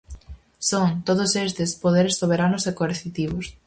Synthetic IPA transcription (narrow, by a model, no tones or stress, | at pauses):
soŋt̪oð̞ʊsest̪ɪspoðeɾesːoβ̞eɾanʊsekoeɾθit̪iβ̞ʊs